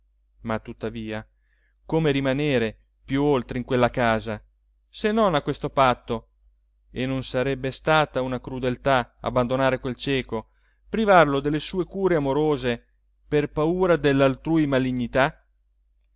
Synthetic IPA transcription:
mat̪ːut̪ːaviːa | koːmeɾimaneːɾe | pjuolt̪ɾeiŋkwelːakaːza | senːonakːwest̪opat̪ːo | enːonsaɾɛbːest̪aːt̪aunakɾud̪elt̪aa̰bːand̪onaːɾekwelt͡ʃɛːko | pɾivarlod̪elːesuːekuːɾeamoɾoːze | perpauːɾad̪elːalt̪ɾuːjmaliɲːit̪a

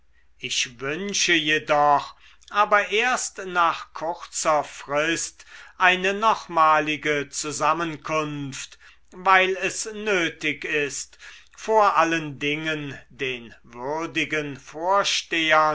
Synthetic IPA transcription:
ʔɪçvʏnʃəjedɔχ | ʔaːbɐʔeːɐstnaːχkʰʊʁt͡sɐfʁ̥ɪstʔaɪnənɔχmaːlɪɡət͡suzamənkʰʊnft | vaɪlɛsnøːtɪkɪst | foːɐʔaləndɪŋəndeːnvʏʁdɪɡənfoːɐʃteːɐ

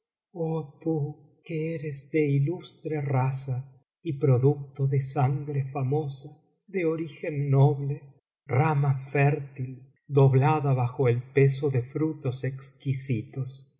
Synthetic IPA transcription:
ot̪u | keeɾezd̪eilust̪ɾerasa | ipɾo̞ðuk̚t̪oðesaŋɡɾefamo̞sa | ðeoɾixenːoβle | ramafɛɾt̪il | d̪o̞βlaðaβaxo̞elpesoðefɾut̪osekskisit̪os

